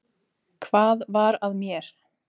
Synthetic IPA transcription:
kʰvaːðvaɾaðmjɛɾ̥

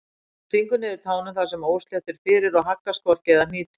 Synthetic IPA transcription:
t̪ʰiŋkʏnɪðɪt̪ʰaːwnʏmθasɛmoːwsl̥jaɛt̪ɪɾ̥fɪːɾɪɾɔɣɦakːaskvɔl̥cɛðamɪːt̪ɪ̥

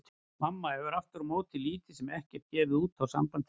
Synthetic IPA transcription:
mamːaɛvʏɾaft̪ʏɾmoːwt̪ʰɪliːt̪ɪsɛmɛhcɛɾ̥t̪jɛːvɪuːt̪awsa̰mpant̪ɪ

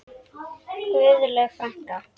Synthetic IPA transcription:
ʏːðʏlɛɣfɾaŋ̥ka

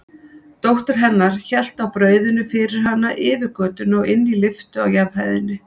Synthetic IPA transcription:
t̪owht̪ɪɾ̥ɦɛnːaɾ̥çɛl̥t̪awpɾœːɥðʏnːʏfɪɾɪɾ̥ɦanːaʔɪːvɪɾkœːt̪ʏnɔwɪnːilɪft̪ʏawjaɾðhajðɪnːɪ

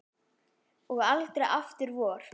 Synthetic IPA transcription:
ɔɣalt̪ɾɛʔaft̪ʏɾvɔːɾ̥

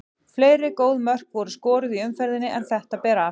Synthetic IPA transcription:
fleːjɾɪkoːwðmœr̥kvɔɾʏskɔːɾʏðiʏmfɛɾðɪnːɪʔɛnθɛht̪apɛːɾa

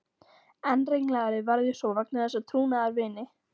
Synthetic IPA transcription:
ɛnreŋlɛːɣaɾɪvaɾðjɛsɔvak̚nɪθɛsːat̪ʰɾuːnaðaɾvɪːnɪ

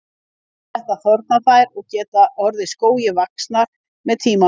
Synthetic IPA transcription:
ɛht̪aðθɔɾt̪̚naθajɾɔɣcɛːt̪aʔɔɾðɪskoːwjɪvaksnaɾ | mɛðt̪ʰiːma

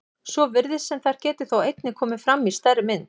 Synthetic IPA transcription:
sɔvɪɾðɪsɛmθaɾ̥cɛːt̪ɪθawejt̪nɪkʰɔːmɪfɾamːist̪aɾɪmɪnː

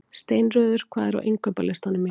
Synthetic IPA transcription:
st̪eːjnrœːðʏɾ̥kʰvaːðɪɾa̰wʔejŋkœpalɪst̪anːʏmːɛ

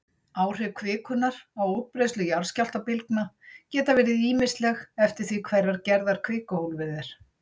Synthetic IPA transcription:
aːwr̥ɛkʰvɪːkʏnːaɾ̥awow̚pɾejslʏjaɾ̥scawl̥t̪apɪlknacɛːt̪avɛːɾɪðiːmɪst̪lɛɣɛft̪ɪɾ̥θvikʰvɛrːaɾcɛɾðaɾ̥kʰvɪːkʏhowlvɪðɪɾ̥

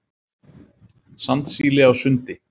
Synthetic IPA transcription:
sant̪siːlɪawsʏnt̪ɪ

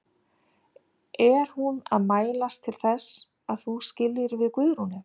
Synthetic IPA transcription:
ʔɛɾ̥huna̰ðmaːjlast̪ʰɪlθɛs | aðθuscɪlːɪɾvɪðkvʏðɾunɪ

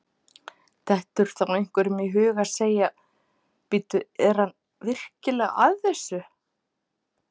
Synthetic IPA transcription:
θʰɛht̪ʏɾ̥θaejŋ̥kʏɾʏmiɦʏːɣḁseːja | pɪt̪ʏɛɾ̥han | vɪr̥cɪlɛɣa̰ðθɛsːʏ

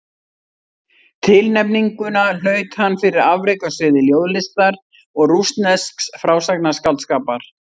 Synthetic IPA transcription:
t̪ʰɪlnɛpniŋkʏnal̥œːɥt̪hanːfɪɾɪɾavɾejkasvɪːðɪljoːwðlɪst̪aɾ | ɔɣrust̪nɛsksfɾaːwsaknaskaw̪t̪skaːpaɾ̥

